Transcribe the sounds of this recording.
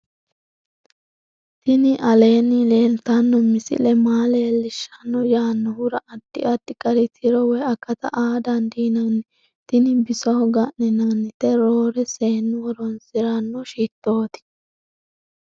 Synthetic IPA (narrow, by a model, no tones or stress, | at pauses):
t̪ɪnɪʔɐleːnːɪleːlt̪ɐnːɔmɪsɪ̰lɛmaːleːlɪʃːɐnːɔjaːnːɔhʊɾɐʔɐd̪ːɪ̰ɐt̪ːɪkʼɐɾɪt̪ʰɪɾɔwɛɐkːɐt̪ɐ̰ʔaːd̪ɐnd̪iːnɐn | t̪ɪnɪbɪsɐhɔɡɐʔnɪnɐnːɪt̪ɛɾo̞ːɾɛse̞ːnːɪwɔɾɔnsɪɾɐnːɔʃiːt̪ːo̞ːt̪ɪ̥